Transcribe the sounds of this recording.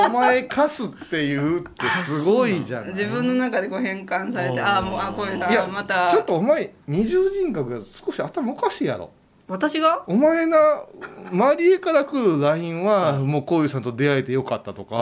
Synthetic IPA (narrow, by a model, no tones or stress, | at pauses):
omaekʰasɨt̪ːe̞jɯ̟ːt̪ːe̞sɨɡo̞iʑã̰d͡ʑibɯ̟̃nːo̞nakad̪e̞ɡoɦẽ̞ŋkãɰ̃saɾet̪eamoːakoːjɯsãjamat̪at͡ɕo̞t̪ːoːmaeɲ̟iʑɨːʑĩŋkakɯ̟at̪osɨ̥ko̞ɕiat̪amaokaɕiːja̰ɾo̰ | βat̪aɕiɡaomaenamaːɾʲiekaɾakɯ̟ɾɯɾaĩɰ̃βamo̞ːko̞ːjɯ̟sãnt̪o̞d̪e̞aet̪e̞jo̞kat̪ːat̪o̞ka̰